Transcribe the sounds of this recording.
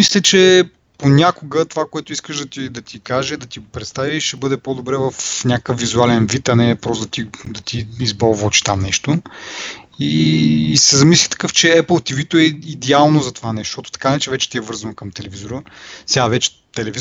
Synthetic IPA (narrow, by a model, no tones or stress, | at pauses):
mislʲɛt͡ʃɛ | ponʲakoɡət̪ovakoɛt̪ʊiskəʒd̪ɐt̪id̪ɐt̪ikaʒɛd̪ɐt̪ipɾɛt̪st̪aviʃɛbɤd̪ɛpod̪obɾɛvɐfnʲakkəfvːizualɛnvit̪ɐnɛpɾɔst̪d̪ɐt̪id̪ɐt̪iːzbalˠvɔt͡ʃi̥t̪amnɛʃt̪o | iːsɛzɐmislʲit̪ɐ̥kɤft͡ʃɛɛpəlˠt̪ivit̪oɛid̪ɛalˠnozɐt̪ovanɛʃt̪ot̪ot̪ɐ̥kannɛt͡ʃɛvɛt͡ʃɛ̥t̪iɛvɤɾzɐnokɐmt̪ɛlɛvizoɾəsɛavɛt͡ʃɛ̥ | t̪ɛlɛvi